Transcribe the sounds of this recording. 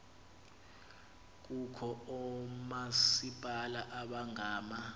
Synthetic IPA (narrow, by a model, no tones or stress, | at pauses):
k̬ukʰɔɔmasipʼalaʔaɓaŋaːma